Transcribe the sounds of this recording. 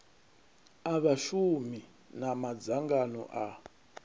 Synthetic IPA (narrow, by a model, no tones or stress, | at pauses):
aβaʃumi | namad͡zaŋɡanɔ̰ʔa